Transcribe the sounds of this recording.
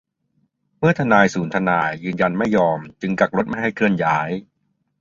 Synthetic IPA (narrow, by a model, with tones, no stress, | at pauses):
mɯ˥˩ɐt̪ʰa˧naː˧jsuː˩˦nt̪ʰa˧naː˧jːɯː˧nja˧nma˥˩jːɔː˧mt͡ɕɯ˧ŋka˨˩k̚ɾo˦˥t̪̚ma˥˩jɦa˥˩jkʰɯ˥˩ənjaː˦˥j